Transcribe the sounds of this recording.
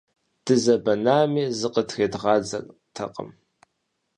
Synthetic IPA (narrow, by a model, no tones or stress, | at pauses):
d̥ɨzɐbɐnaːmiːzɨqʼətxeːdʁɑːd͡zɐ̰rtʰɐ̰qʼə̰m